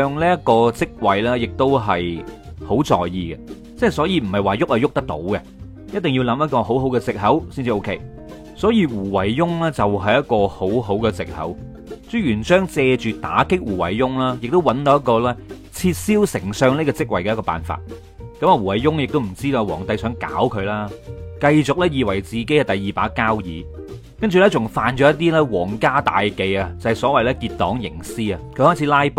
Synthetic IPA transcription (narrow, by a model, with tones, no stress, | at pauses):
œː˧ŋliː˥jɐ˥t̚kɔː˧t͡sɪ˥k̚wɐ˨jlɛː˥jɪ˨k̚t̪o˥wɦɐ˨jho˨˥wt͡sɔ̰ː˨jjiː˨˧ɡɛ˧ | t͡sɐ˥hɐ˨˩jsɔː˨˥jiː˧m̩˨˩hɐ˨˩jwaː˨jʊ˥k̚hɐ˨jʊ˥k̚t̪ɐ˥k̚t̪o̰˨˥wɡɛ˧ | jɐ˥t̚t̪ɪ˨ŋji˧wlɐ˨˧mjɐ˥t̚kɔː˧ɦo˨˥wɦo˨˥wkɛ˧t͡sɪ˨k̚ɦɐ˨˥wsi˥nt͡siː˨˧o˥wkʰḛ˥˧j | sɔː˨˥jiː˧wuː˨˩wɐ˨˩jːʊ˥ŋlɛː˥t͡sɐ˨wɦɐ˨jɐ˥t̚kɔː˧ho˨˥wɦo˨˥wkɛ˧t͡sɪ˨k̚hɐ̰˨˥w | t͡sy˥jyː˨˩nt͡ʃœː˥ŋt͡sɛː˧t͡ʃyː˨t̪a̰ː˨˥kɪ˥k̚wuː˨˩wɐ̰˨˩jːʊ˥ŋlaː˥jɪ˨k̚t̪o˥wɐ˨˥nt̪o˨˧˦jɐ˥t̚kːɔː˧lɛː˥ | t͡sʰiː˧t̚siː˥wsɪ˨˩ŋsœː˧ŋli˥kɔː˧t͡sɪ˥k̚wɐ˨˩jkɛː˧jkɔː˧pa̰ː˨nfa̰ː˨t̚ | kɐ˨˥maː˨˧wuː˨˩wɐ˨˩jjʊ˥ŋjɪ˨k̚t̪o˥m̩˨˩t͡siː˥t̪o˨˧˨wɔ̰ː˨˩ŋt̪ɐ˧jsœː˨˥ŋka̰ː˨˥wkʰɵ˨˧ɥlaː˥kɐ˧jt͡sʊ˨k̚lɛː˥jiː˨wɐ˨˩jt͡siː˨ke˨˥jkɐ˨˧t̪ɐ˨jːiː˨˩paː˨˥kːaː˥wjiː˨˧ | kɐ˥nt͡ʃy˨lɛː˥t͡sʊ˨˩ŋfaː˨˧nt͡ʃɔː˨˥jɐ˥t̪̬ːiː˥lɛː˥wɔː˨˩ŋkaː˥t̪a̰ː˨jke˨˧jɐ˧t͡sɐ˨˩hjsɔː˨˥wɐ˨jlɛː˥kiː˧t̚t̪ːɔː˨˥ŋjɪ̰˨˩ŋsiː˥ɐ˨kʰɵ˧hɔː˥jt͡sʰiː˨˥laː˥jp